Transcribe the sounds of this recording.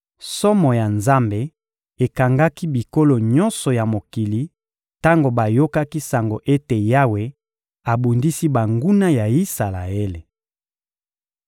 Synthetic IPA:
sɔ˦mɔ˨ja˨nza˦mbe˨ | e˨ka˨ŋɡa˦ki˦bi˨ko˦lo˨ɲɔ˦nsɔ˨ja˨mo˨ki˨li˦ | ta˦ŋɡo˨ba˨jo˦ka˦ki˦sa˨ŋɡo˨ʔe˦te˨ja˦we˨ | a˨bu˨ndi˦si˦ba˨ŋɡu˦na˦ja˨i˦sa˨la̰˨e˦le˨

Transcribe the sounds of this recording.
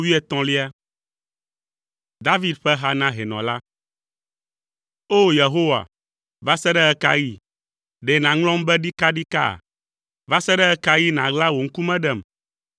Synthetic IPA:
wi˦ɛ˦t̪ɔ̃˨li˦a˦ | d̪a˦vi˦d̪ɸɛ˦ɦa˦nã˦ɦe˨nɔ̰̃˨la˦ | o˦je˨ɦo˦wa̰˨ | va˦sɛ˦ɖɛ˦ɛ˦ka˦ji˦ | ɖɛ˨nã˨ŋlɔ̃˦m˦bɛ˦ɖi˦ka˦ɖi˦ka̰˦˨ | va˦sɛ˦ɖɛ˦ɛ˦ka˦ji˦nã˨ɡla˦wo˨ŋ̩˦ku˦mɛ̃˦ɖɛ˦˨m

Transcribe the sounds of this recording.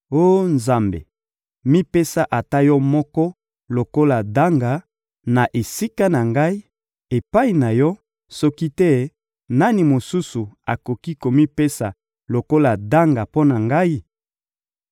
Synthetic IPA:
o˦nza˨mbḛ˨ | mi˦pe˦sa˦ʔa˨ta˦jɔ˦mɔ˦kɔ˦ | lo˨ko˦la˨da˦ŋɡa˨ | na˨ʔe˨si˦ka˦na˨ŋɡa˦i˦ | e˨pa˦i˨na˨jɔ˦ | sɔ˦ki˦tɛ˦ | na˦ni˨mo˨su˦su˨a˨ko˨ki˦ko˨mi˦pe˦sa˨ | lo˨ko˦la˨da˦ŋɡa˨po˦na˨ŋɡa˦i˦

